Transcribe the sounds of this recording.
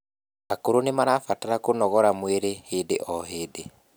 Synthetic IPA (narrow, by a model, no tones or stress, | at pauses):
akoɾonemaɾafataɾakonɔɣɔɾamweɾeheːdeʔɔɦeːde